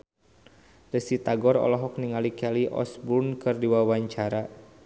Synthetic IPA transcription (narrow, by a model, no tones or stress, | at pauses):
dəsit̪aɡɔɾɔ̰lɔɦɔk̚niŋalikɛliʔɔ̰sbunkɨrdiwawaɲt͡ʃaɾa